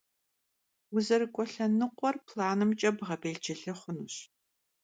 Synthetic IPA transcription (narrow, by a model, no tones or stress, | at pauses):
wʊzɐrɨkʷʼɔɬɐnɨqʷɔrpʰlaːnɨmt͡ʃʼɐbʁɐbeːt͡ʃɪɬɨχʷʊnuɕ